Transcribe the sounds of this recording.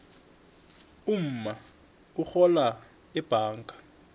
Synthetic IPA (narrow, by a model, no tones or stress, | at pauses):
um̩ma | uxɔla | ɛb̥ʱaːŋɡʱḁ